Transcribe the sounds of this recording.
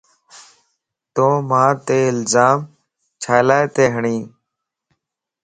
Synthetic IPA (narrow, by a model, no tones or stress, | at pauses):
t̪oːmãːt̪eːɪlzaːm | t͡ʃʰaːlaːet̪eːɦəɳĩː